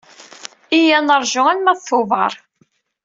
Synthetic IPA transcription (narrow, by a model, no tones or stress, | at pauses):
ijænəɾˤʒʊælmæðθʊvɑ̰ɾˤ